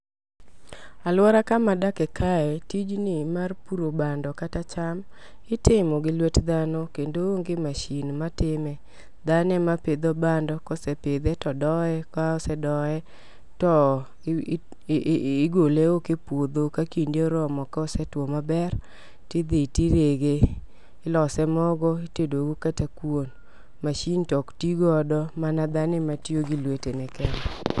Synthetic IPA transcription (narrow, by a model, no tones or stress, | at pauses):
alwɔɾakamadakɛkaɛtid͡ʒnɪmarpuɾobandɔkatat͡ʃam | ɪtɪmɔɡɪlwetd̪anokendooŋɡɪmaʃinmatɪmɛ | d̪anɛmaped̪obandɔkɔsɛped̪etɔdɔɛkaɔsɛdɔɛ | tɔ | ɡoleokepwod̪okakindeɾɔmɔkaɔsɛtwomabɛr | tɪd̪etiɾeɡe | ɪlɔsɛmɔɡɔitedoɡukatakwon | maʃintɔktiɡɔdɔmanad̪anɪmatjoɡilwetenɛkɛnɛ